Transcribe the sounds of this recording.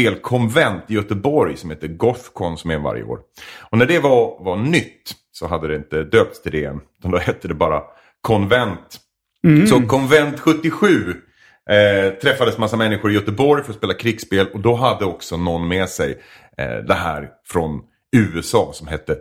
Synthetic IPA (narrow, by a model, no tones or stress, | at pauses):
eːlkʰɔnvɛnt̪ɪjœt̪əbɔɾjsɔmhɛt̪ːəɡɔfkʰɔnsɔmɛva̰ɾjə̰o̰ːɾɔnæɖɛvavanʏt̪ː | sɔɦad̪ːəd̪ɛɪnt̪əd̪øːp̚t̪st̪ʰɪld̪ɛɛ̰nʉ̟t̪and̪ɔhɛt̪ːəd̪ɛbɑːɾa̰ | kʰɔnvɛnt̪ | sɔkʰɔnvɛnt̪ɧɵt̪ːɪɧʉ̟ː | t̪ʰɾɛfːad̪əsmasːamɛnːɪɧʊɾɪjœt̪əbɔɾjfœɾɔspeːlakʰɾɪɡspeːlɔd̪ɔɦad̪ːəɔksɔnɔnːmɛsɛj̰ | d̪ɛɦæ̰ːɾfɾɔn | ʉ̟ːɛsɑːsɔmɦɛt̪ːə